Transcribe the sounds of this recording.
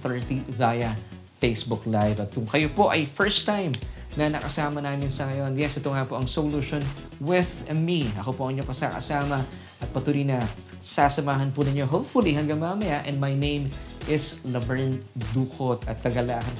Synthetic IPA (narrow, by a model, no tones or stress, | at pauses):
θɛɹt̪iðajɐ | fejsbʊklajvɐt̪̚kʊŋkɐjopo̞ʔɐjfɛɹst̪ajm | nɐnɐkɐsaːmɐnaːmɪnsɐŋɐjo̞njɛsʔɛt̪oŋapo̞ʔɐŋsoluʃon | wɪðmiɐ̰ko̞poɐŋɪɲokɐsakɐ̰saːmɐ | ʔɐt̪̚pɐt̪uːɾinɐ | sasɐmaːɦɐnpʊnɪɲoɦopfʊliɦɐŋɡaŋmɐɐmɐjaʔɛ̃nd̪mɐjnẽjmʔɪslɐbɛɹɐnd̪uːkot̪ɐt̪̚kɐɡɐlaːɦɐn